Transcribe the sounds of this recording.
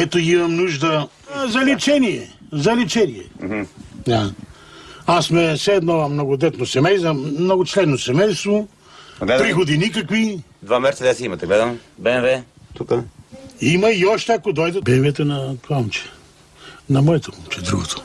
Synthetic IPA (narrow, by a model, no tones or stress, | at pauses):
ɛt̪oimɐmnuʒd̪ə | zɐlɛt͡ʃɛniɛ | zɐlɛt͡ʃɛniɛɦ̩d̪a | asmɛsɛːd̪nɔmnoɡod̪ɛt̪nosɛmɛjsɐmnoɡot͡ʃlɛd̪nosɛmɛjst̪vo | ɡlɛpɾixod̪inik̬ɐkvi | d̪vamɛɾt̪ɛd̪ɛsɛimɐt̪ɛɡlɛd̪ɐmbɛnvɛt̪ukəimɐiɔʃt̪ɛɐkod̪ɔjd̪ɐbɛmiɛt̪onɐpɔmt͡ʃɛ̥ | nɐmɔjɛt̪opomt͡ʃɛd̪ɾṵɡot̪ʰo̥